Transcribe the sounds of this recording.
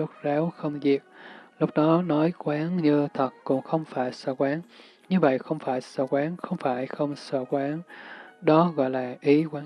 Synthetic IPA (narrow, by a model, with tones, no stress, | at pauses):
u˦˥k̚zaː˨˦wxə˧wŋ͡mzi˨˩ək̚lʊ˦˥k͡p̚ɗɔ˨˦nɔ˨˦jkwaː˨˦nɲɨ˧t̪ʰə˨˩t̚kʊ̰˧˥ŋ͡mxə˧wŋ͡mfaː˧˩jsə̰ː˧˩kwaː˨˦n | ɲɨ˧və̰˧˨jxə˧wŋ͡mfaː˧˩jsəː˧˩kwaː˨˦nxə˧wŋ͡mfaː˧˩jxə˧wŋ͡msə̰ː˧˩kwaː˨˦nɗɔ˨˦ɣɔ̰˧˨jlaː˨˩ʔi˨˦kwaː˨˦